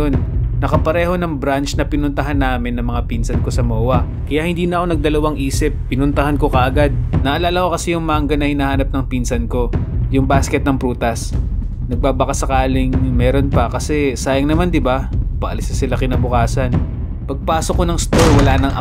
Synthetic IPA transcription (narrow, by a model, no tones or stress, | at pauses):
onːɐkɐpɐɾɛːho̞nɐŋbɾant͡ʃnɐpɪnʊnt̪ɐɦanːaːmɪnːɐŋmɐŋapinsɐnko̞sɐmoːwɐ | kɐjaʔhɪnd̪iːnɐʔɐkonɐɡ̚d̪ɐlɐwaŋʔiːsɪpːɪnʊnt̪ɐhanko̞kɐʔɐɡad̪̚nɐʔɐlaːlɐko̞kɐsɛjʊŋmaŋɡɐnɐhɪnaːhaːnɐp̚nɐŋpiːnsɐnko̞jʊŋbaːskɛt̪̚nɐŋpɾuːt̪ɐs | nɐɡ̚baːbɐkasːɐkaːlɪŋmɛːɾo̞npɐkɐsɛsaːjɐŋnɐmand̪ɪbapɐʔɐlɪsnɐsɪlakɪnabʊkaːsɐn | pɐɡ̚paːsokːonɐŋst̪oɾwɐlaːnɐŋʔɐ